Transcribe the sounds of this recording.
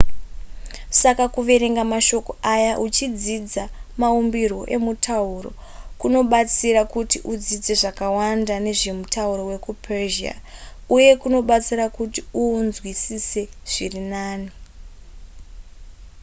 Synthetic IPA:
sakakuʋe̞ɾeŋɡamaʃo̞koʔajaʔut͡ʃid͡zid͡zamaumbirwo̞ʔe̞mutʰauro̞̰ | kuno̞ɓat͡siɾakutiʔud͡zid͡ze̞ʐakawandane̞ʐe̞mutauɾo̞we̞kupʰerʒia̰uje̞kuno̞ɓat͡siɾakutiunzwisise̞ | ʐ̥irinaːni

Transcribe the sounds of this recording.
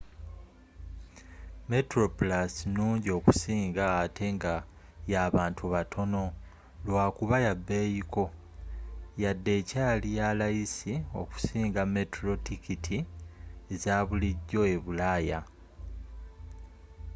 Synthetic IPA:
me̞tɾo̞pulasinuːɲɟio̞ːku̥siːŋɡaːtʰe̞ŋɡa | jaːβaːntʰuβatʰo̞no̞ | lwaːkuβajabːe̞ːjiko̞ | jadːe̞ːcaːlijalajisio̞̰ku̥siːŋɡame̞tɾo̞tikitʰi | ezaːβuliɟːo̞e̞βulaːja

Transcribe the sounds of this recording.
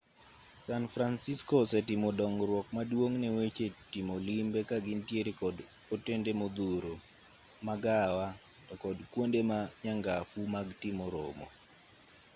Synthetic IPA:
sanfɾansiskɔsɛtɪmodɔŋɾwɔkmadwoŋnɛwet͡ʃetimolimbekaɡɪntjeɾekɔd | otendemod̪uɾo | maɡawa | tɔkɔdkwondemaɲaŋɡafumaɡtimoɾo̰mo̰

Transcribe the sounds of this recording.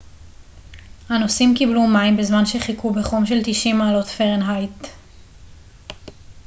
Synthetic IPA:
hanosimkiblumaimbezmanʃe̞χikubeχomʃe̞ltiʃimaːlo̞tfeʁenɦajt

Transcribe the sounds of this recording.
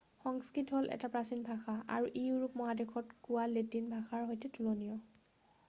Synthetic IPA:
xɔŋskɹitɦolʔɛ̰tapɹasinbʱaxaʔa̰ɹuʔiuɹupmɔɦadekʰɔtkʊwaletinbʱaxaɹɦojtɛtulonijɔ

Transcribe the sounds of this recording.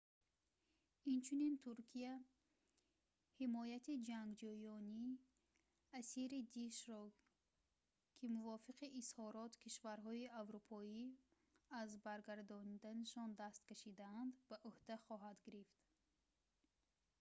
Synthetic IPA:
int͡ʃʰunint̪ʰuɾkʰia | himɔjat̪ʰid͡ʒaŋɡd͡ʒɔjɔni | asiɾid̪iʃɾɔ | kʰimuvɔfiqiʔːshɔɾɔt̪kʰiʃvaɾɦɔiavɾupʰɔi | azbaɾɡaɾd̪ɔnid̪anaʃɔnd̪ast̪kaʃid̪aand̪baʔuhd̪aχɔɦad̪ɡiɾift̪

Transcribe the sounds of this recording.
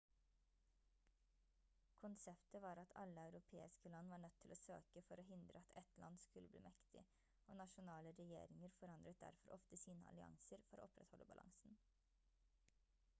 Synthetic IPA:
kʰʊnsɛpt̪əʋɑːɾɑt̪ʰɑ̰lːəɑʉɾʊpʰḛːɪskəlɑnːʋɑːɳœt̪ʰːɪloːsø̰ːkəfɔɾoːhɪnd̪ɾəɑt̪ʰɛt̪lɑ̰nskʉlːəblḭːmɛkt̪ɪ̰ | ʔoːnɑʃʊnɑːləɾɛjḛːɾɪŋəɾfɔɾɑnd̪ɾət̪̚d̪æ̰ɾfɔɾʔɔft̪əsiːnəɑ̰lɪɑ̰ŋsəɾfɔɾʔo̰ːɔpɾɛ̰t̪hɔləbɑlɑ̰ŋsn̩

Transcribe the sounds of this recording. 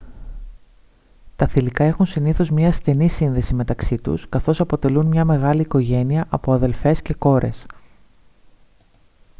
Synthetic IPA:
t̪ɐθilikɐe̞xunsiniθo̞zmɲɐːst̪e̞nisinðe̞sime̞t̪ɐksit̪ṵskɐθo̞sɐpo̞t̪e̞lunmɲɐme̞ɣɐliːko̞ʝe̞niɐʔɐpo̞ɐðe̞lfe̞sce̞ko̞ɾʔe̞̰s

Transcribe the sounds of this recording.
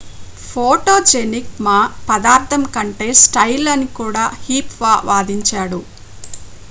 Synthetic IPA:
pʰoːʈoːd͡ʒeːnik̚maːpɐd̪aːɾt̪ʰɐmkɐɳʈe̞ːsʈɐjlːɐnikuːɽaːhiːpʋaːʋʔaːd̪iɲt͡ʃaːɽu

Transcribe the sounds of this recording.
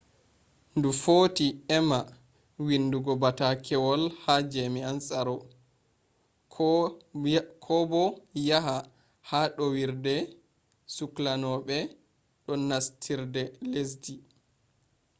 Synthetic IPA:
ndufoːtiɛma | winːduɡɔbatakʰɛwɔlhad͡ʒemiansaɾɔ | k | kʰɔbɔjaɦa | haɗɔwiɾdɛ | suklanɔɓɛ | ɗɔnastʰiɾdɛles̬di

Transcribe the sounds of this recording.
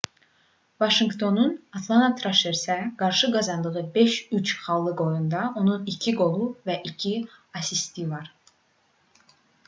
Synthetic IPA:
vɑʃiŋɡt̪ʰo̞nunɑt̪ʰlˠɑnɑt̪ʰɾaʃeɾsɛɡɑɾʃɯɡɑzɑnd̪ɯʁɯbeʃyt͡ʃχɑlˠːɯɡo̞jund̪ɑʔo̞nunicʰiɡo̞lˠuvæʔicʰiɑsist̪ivɑɾ

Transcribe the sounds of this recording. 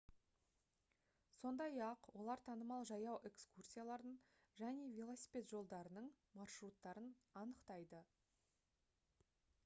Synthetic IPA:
so̞nd̪ɑjɑqwo̞lˠɑɾt̪ʰɑnəmɑlˠʒɑjɑwʔe̞kskursʲijalˠɑɾd̪əɴ | ʒæne̞vʲelˠo̞sʲi̥pʲe̞t̪ʒo̞lˠd̪ɑɾənəɴ | mɑrʃɾut̪ːɑɾənɑnəqt̪ɑjd̪ə

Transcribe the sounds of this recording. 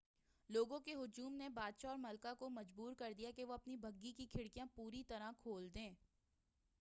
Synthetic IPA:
loːɡõkeɦʊd͡ʒuːmnebaːd̪ʃaɔːɾmɐlkakomɐd͡ʒbuːɾkɐɾd̪ijakeʋoɐpnibʱɐɡːikikʰɪɽkijãpuːɾit̪ɐɾakʰoːld̪ẽː

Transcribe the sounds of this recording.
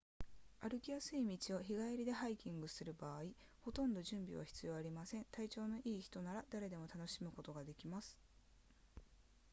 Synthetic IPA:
aɾɯ̟kʲijasɨimʲit͡ɕio̞çiɡaiɾʲid̪e̞ɦaikʲĩŋɡɯ̟sɨɾɯ̟baːi | ho̞t̪õ̞nd̪o̞ʑɨ̃mbʲḭβa̰çi̥t͡sɨjo̞ːaɾʲimasẽ̞nt̪ait͡ɕo̞ːno̞ʔiːçi̥t̪o̞naɾad̪aɾe̞d̪e̞mo̞t̪ano̞ɕimɯ̟ko̞t̪o̞ɡad̪e̞kʲimasɨ̥

